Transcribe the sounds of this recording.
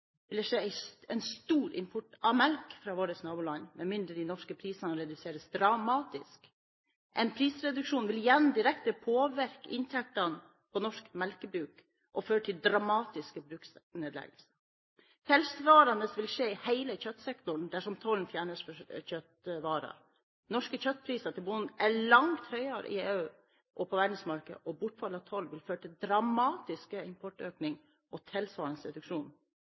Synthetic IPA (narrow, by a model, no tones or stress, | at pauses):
ʋɪld̪ɛʂeːæɪɛɪnst̪uːɾʔɪ̰mpʰʊʈːɑmɛlkfɾɑːʋoːɾəsnɑːbuːlɑnmɛnmɪnd̪ɾəd̪ɪnɔʂkəpʰɾiːsɑnɑɾɛd̪ʉseːɾəsd̪ɾɑmɑːt̪ɪsk | ʔɛnpʰɾiːsɾɛd̪ʉkʂuːnʋɪljɛnːd̪ɪɾɛkt̪əpʰoːʋæɾkɪ̰nt̪ʰɛk̚t̪ɑn | pʰɔnɔʂkmɛlkəbɾʉːk | ʔɔføːʈʰɪld̪ɾɑmɑːt̪ɪskəbɾʉːksneːd̪lɛ̰ɡəlsə | h̪ʰɛlsʋɑːɾɑnəsʋɪlʂeːɪhæɪləçœt̪ːsɛkt̪ʊɳd̪æʂɔmt̪ʰɔlnfjæːɳəsfɔçœt̪ʋɑːɾɑ̰ɾ | nɔʂkəçœt̪̚ːpʰɾiːsɑt̪ɪlbʊnnæɭɑŋt̪hœʏɑɾ̰ʔɪ̰eːʉ | ʔɔpʰɔʋæːɖn̩smɑɾkəɔbʊʈːfɑlːɑt̪ʰɔlʋɪlføːɾʈɪld̪ɾɑmɑːt̪ɪskəɪmpʰɔʈøːknɪŋ | ʔɔt̪ʰɛlsʋɑːɾɑnsɾɛd̪ʉkʂuːn